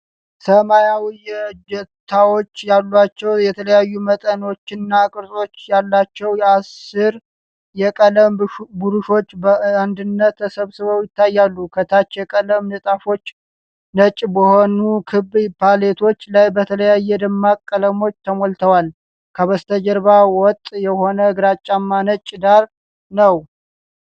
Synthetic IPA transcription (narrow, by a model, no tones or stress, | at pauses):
səmajawijɛd͡ʒɛt̪ʰːawo̞t͡ʃːjalːat͡ʃːɛwjɛt̪ʰələjajːumət̪ʼəno̞t͡ʃːɪnːakʼɨɾzʼo̞t͡ʃːjalːat͡ʃːɛwjɛasːɨɾ | jɛkʼələmbuɾuʃo̞t͡ʃːband̪ɨnːət̪ʰːəsəβsɨβəwjɪt̪ːajːalːukʰət̪ʰat͡ʃːjɛkʼələmnɨt̪ʼafo̞t͡ʃː | nət͡ʃʼbəho̞nukʰɨβpʰale̞t̪ʰo̞t͡ʃːlajbət̪ʰələjajːɛd̪ɨmːakʼkʼːələmo̞t͡ʃːt̪ʰəmolt̪ʰəwal | kʰəβəst̪ʰəd͡ʒəɾbawɔt̪ʼːjɛho̞nəɡɾat͡ʃʼːamːanət͡ʃʼːd̪aɾ | nəw